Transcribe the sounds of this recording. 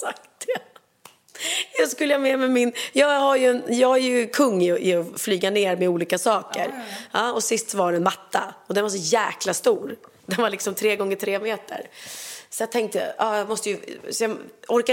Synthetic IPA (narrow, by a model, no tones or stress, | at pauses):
ak̚t̪ɛ | skɵlːəjamɛmɛmɪnjɑːɡhaɾjɵɛnjɑːɡæɾjɵkʰɵŋːɪʔɪɔflyːɡaneːɾmɛuːliːkasɑːkə̰ɾɑːɔsɪst̪sɔvaɾɛnmat̪ʰːaɔd̪ɛnvaɾs̬ɔjæːklast̪uːɾ | d̪ɛnvaɾlɪksɔmt̪ʰɾeːɡɔŋːəʈ̪ʰɾeːmeːt̪ə̰ɾsɔjɑt̪ʰɛŋk̚t̪əj̰ɑːjɑmɔst̪əjəsɔjɑɔɾka